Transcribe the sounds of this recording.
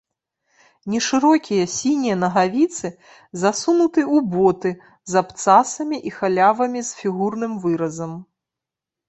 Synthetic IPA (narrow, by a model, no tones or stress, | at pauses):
nʲɛʂɨɾɔkʲijɐsʲinʲijɐnɐɣavʲit̪sɨ | zasunut̪ɨubɔt̪ɨ | zapt̪sasɐmʲiʔixalʲavɐmʲisfʲiɣurnɨmvɨɾɐzɐm